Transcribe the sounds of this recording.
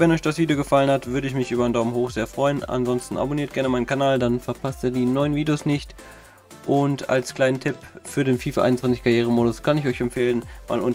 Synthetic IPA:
vɛnɔʏçd̥asv̥iːdejoɡəfalənhatv̥ʏɐɾəɪçmɪçʔyːbɐaɪndaʊməmhoːxz̥eːɐfʁ̥ɔʏəna̰nzɔnstn̩a̰boniːɐtɡ̥ɛɐnəmaɪnənkʰanaːldanfɛɐpʰastiːɐdiːnɔʏənviːdejoːsnɪçt | ʔʊnta̰lskl̥aɪnəntʰɪpfyːɐdeːnfiːfaʔa̰ɪn̩t͡svant͡sɪçkʰaɐjeːʁ̞əmoːdʊskʰanɪçɔʏçɛmpfeːlənma̰ːlʔʊn

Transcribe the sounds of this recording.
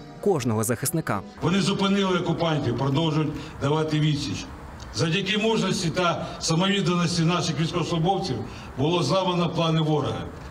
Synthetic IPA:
kɔʒnɔɦɔzɐxɪsnɪka̰ʋɔnɪzʊpɪnɪlˠɪɔkʊpɑnʲtʲiwpɾɔd̪ɔwʒʊjʊtʲd̪ɐʋɑt̪ɪʋʲisʲit͡ʃ | zɐwdʲɐkimuʒnɔsʲtʲit̪ɐsɐmɔʋʲid̪nɐnɔsʲtʲinɑʃɪxʋʲisʲkɔsˠɔbɔwt͡sʲiw | bʊlˠɔzɑʋɐnɐplˠɑnɪʋɔɾɐɦɐ̰

